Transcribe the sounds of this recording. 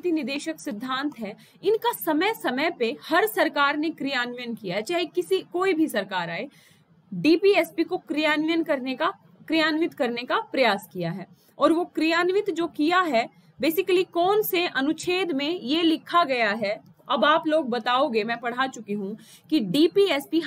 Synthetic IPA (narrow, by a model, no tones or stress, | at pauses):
t̪inɪd̪eːʃəksɪd̪ʱːãːnt̪ɦɛː | ɪnkasɐməjsɐməjpehɐɾsɐɾkaːɾnekɾijaːnʋjənkijaɦɛt͡ʃaːɦekɪsikoːibʱisɐɾkaːɾaːe | ɖiːpiɛspikokɾijaːnʋjənkɐɾneka | kɾijaːnʋɪt̪kɐɾnekapɾɐjaːskijaɦɛː | ɔːɾʋokɾijaːnʋɪt̪d͡ʒoːkijaɦɛ | beːsɪkəlikɔːnseʔɐnʊt͡ʃʰeːd̪mẽjelɪkʰaɡɐjaɦɛ | ɐbaːploːɡ̚bɐt̪aːoɡemɛ̃ːpɐɽ̤at͡ʃʊkeɦũ | kiɖiːpiɛːspi